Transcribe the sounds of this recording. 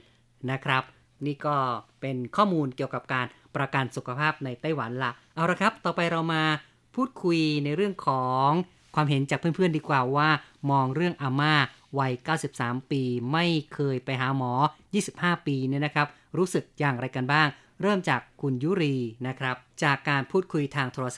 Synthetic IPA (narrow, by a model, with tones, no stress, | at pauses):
na˦˥kʰɾa˦˥p̚ | niː˥˩kɔː˥˩pe˧nkʰɔː˥˩muː˧nki˨˩əwka˨˩p̚kaː˧n | pɾa˧ka˧nsu˨˩kʰa˧pʰaː˥˩p̚na˧jt̪a˥˩jwa˩˦nla˧˩ʔʔa˧wɾa˧˩kʰɾa˦˥p̚t̪ɔː˨˩pa˧jɾa˧wmaː˧ | pʰuː˥˩t̪̚kʰu˧jna˧jɾɯ˥˩əŋkʰɔː˩˦ŋ | kʰwaː˧mɦe˩˦nt͡ɕaː˨˩pʰɯ˥˩˨mpʰɯ˥˩əndiː˧kwaː˨˩waː˥˩mɔː˧ŋɾɯ˥˩əŋʔaː˧maː˥˩ | wa˧jkaː˥˩wsi˨˩p̚saː˩˦mpiː˧ma˥˩jkʰɤː˧jpa˧jɦaː˩˦mɔː˩˦jiː˥˩si˨˩p̚haː˥˩piː˧ni˥˩na˦˥kʰɾa˦˥p̚ | ɾuː˦˥sɯ˨˩k̚jaː˨˩ŋɾa˧jka˧nbaː˥˩ŋ | ɾɤː˥˩mt͡ɕaː˨˩kʰːu˧njuː˥˩ɾiː˧na˦˥kʰɾa˦˥p̚t͡ɕaː˨˩kːaː˧npʰuː˥˩t̪̚kʰu˧jt̪ʰaː˧ŋt̪ʰoː˧ɾa˧sa